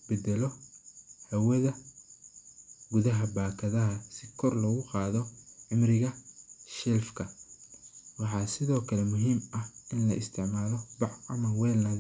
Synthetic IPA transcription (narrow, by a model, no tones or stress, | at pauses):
bɛd̪ɛlɔ | hɐwɐðɐ | ɡʊðɐɦɐbaːkʰɐðɐɦɐsɪkʰɔrlɔːɣʊqɑːðɔʕɪmrɪɣɐʃɛlfkʰɐ | wɑħɑːsɪðɔːkʰɐlɛmʊɦiːmɐhʔɪnlɐʔɪst̪ʰɪʕmaːlɔbɑʕɐmɐwɛːlnɐð